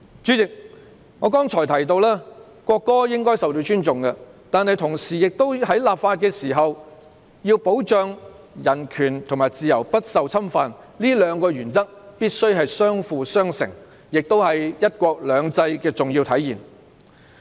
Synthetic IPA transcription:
t͡ʃyː˨˥t͡sɪ˨k̚ | ŋɔː˨˧kɔː˥ŋt͡ʃʰɔː˨˩jt̪ʰɐ˨˩jt̪o˧wlaː˥ | kʷɔː˧kːɔː˥jɪ˥ŋkɔː˥jsɐ˨wt̪o˧t͡ʃyː˥nt͡ʃʊ˨ŋkɐ˧t̪aː˨nhɐ˨jt̪ʰʊ˨˩ŋsiː˨jɪ˨k̚t̪o˥whɐ˨˥jlaː˨pfaː˧t̚kɛː˧siː˨˩ɦɐ˨w | jiː˧wpo˨˥wt͡ʃœː˧ŋ | jɐ˨˩nkʰyː˨˩nt̪ʰʊ˨ŋmaː˨˩jt͡siː˨jɐ˨˩wpɐ˥t̚sɐ˨wt͡sʰɐ˥mfaː˨n | liː˥lœː˨˧ŋkɔː˧ɥyː˨˩nt͡sɐ˥k̚piː˥t̚sɵ˥ɥɦɐ˨jsœː˥ŋfuː˨˧sœː˥ŋsɪ̰˨˩ŋ | jɪ˨k̚t̪o˥whɐ˨jjɐ˥t̚kʷɔː˧k̚lœː˨˧ŋt͡sɐ˧jkɛː˧t͡sʊ˨˩ŋji˧wt̪ʰɐ˨˥jjiː˨˩n

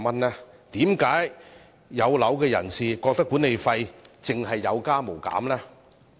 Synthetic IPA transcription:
mɐ˥nlɛː˥ | t̪iː˨˥mkaː˨˥j | jɐ˨˧wlɐ˨˥wkɛː˧jɐ˨˩nsiː˨kɔː˧k̚t̪ɐ˥kːu˨˥ne˨˧jfɐ˧jt͡sɪ˨ŋɦɐ˨jːɐ˨˧wkaː˥mo˨˩wka̰ː˨˥mlɛː˥

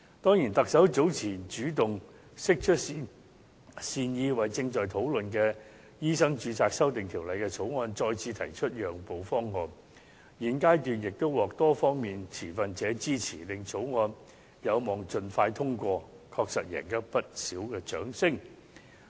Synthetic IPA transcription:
t̪ɔː˥ŋjiː˨˩nt̪ɐ˨k̚sɐ˨˥wt͡so˨˥wt͡sʰiː˨˩t͡ʃyː˨˥t̪ʊ˨ŋ | sɪ˥k̚t͡ʃʰɵ˥t̚ | siː˧njiː˧wɐ˨˩jt͡sɪ˧ŋt͡ʃɔː˨˩jt̪ʰo˨˥wlɵ˨nkɛː˧ | jiː˥sɐ˥ŋt͡ʃyː˨˥t͡sʰaː˧k̚sɐ˥wt̪ɪ˨ŋt̪ʰiː˨˩wlɐ˨jkɛː˧t͡sʰo˨˥wŋɔː˧nt͡ʃɔː˧jt͡sʰiː˧t̪ʰɐ˨˩jt͡ʃʰɵ˥t̚jœː˨˩ŋpo˨˩wfɔː˥ŋːɔː˧n | jiː˨˩nkaː˥jt̪yː˨njɪ˨k̚t̪o˥wɔː˨k̚t̪ɔː˥fɔː˥ŋmiː˨nt͡sʰiː˨˩fɐ˨nt͡sɛː˨˥t͡siː˥t͡sʰiː˨˩lɪ˨ŋt͡sʰo˨˥wŋɔː˧n | jɐ˨˧wmɔː˨˩ŋt͡ʃɵ˨nfaː˧jt̪ʰʊ˥ŋkʷɔː˧ | kʰɔː˧k̚sɐ˨t̚jɛ̰ː˨˩nkɐ˥pɐ˥t̚siː˨˥wkɛː˧t͡ʃœ̰ː˨˥ŋsɪ˥ŋ

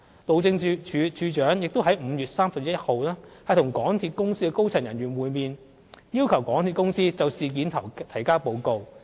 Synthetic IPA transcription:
t̪o˨wt͡sɪ˧ŋt͡ʃʰːt͡ʃʰyː˨˧t͡ʃœː˨˥ŋjɪ˨k̚t̪o˥wɦɐ˨˥jm̩˨˧jyː˨t̚saː˥msɐ˨p̚jɐ˥j̚ho˨˧wlaː˥hɐ˨˧jt̪ʰʊ˨˩ŋkɔː˨˥ŋt̪ʰiː˧t̚kʊ˥ŋsiː˥kɛ˧ko˥wt͡sʰɐ˨˩ŋjɐ˨˩nɥyː˨˩nwuː˨˧jmiː˨˧n | jiː˥wkʰɐ˨˩wkɔː˨˥ŋt̪ʰiː˨˧t̚kʊ˥ŋsiː˥t͡sɐ˨˧wsiː˨˧k̬iː˨˥nt̪ʰt̪ʰɐ˨˩jkaː˥po˨˧wko˨˧w

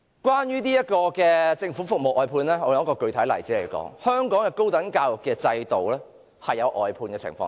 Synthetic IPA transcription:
kwaː˥njyː˥niː˥jɐ˥t̚kɔː˧kɛː˧t͡sɪ˧ŋfuː˨˥fʊ˨k̚mo˨wʔɔː˨˩jpʰuː˨˧nlɛː˥ŋɔː˨˧jŋɐ˥kɔː˧kɵ˧ɥt̪ʰɐ˨˥jlɐ˨jt͡siː˨˥le˨˩jkɔ̰ː˨˥ŋhœː˥ŋkɔː˨˥ŋkɛː˧ko˥wt̪ɐ˨˥nkaː˧wʊ˨˩kːɛː˧t͡sɐ˧jt̪o˨wlɛː˥ | hɐ˨jːɐ˨˧wʔɔː˨jpʰuː˧nkɛː˧t͡sʰɪ̰˨˩ŋfɔ̰ː˧ŋ

